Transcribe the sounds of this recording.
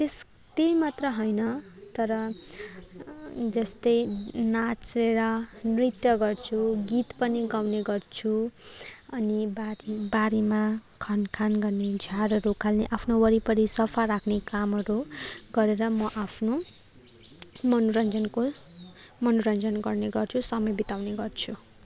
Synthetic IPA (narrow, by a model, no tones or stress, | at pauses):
t̪es | t̪ejmat̪rʌɦʌjnʌt̪ʌɾʌ | d͡zʌst̪ʌjnat͡seɾʌnrit̪jʌɡʌrt͡sʰuɡit̪pʌniɡawneɡʌrt͡sʰu | ʌnibaɾibaɾemakʰʌnkʰanɡʌrned͡zʱarrokʰːalneʔapʰnowʌɾipʌɾisʌpʰaɾakʰnekamʌɾuɡʌɾeɾʌmʌʔapʰno | mʌnuɾʌnd͡zʌnko | mʌnuɾʌnd͡zʌnɡʌrneɡʌrt͡sʰusʌmʌjbit̪awneɡʌrt͡sʰu